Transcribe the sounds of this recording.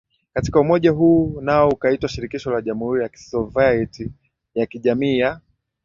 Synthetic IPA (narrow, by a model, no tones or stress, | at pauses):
kati̥kaumɔʄaɦuːnaɔukaitwaʃiɾikiʃɔlaʄamuhuɾijaki̥sɔvajɛti | jakiʄamiːja